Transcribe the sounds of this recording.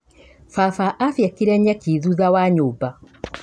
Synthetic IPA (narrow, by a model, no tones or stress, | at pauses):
fafaʔafjɛkiɾɛɲɛkiðuðawaɲoba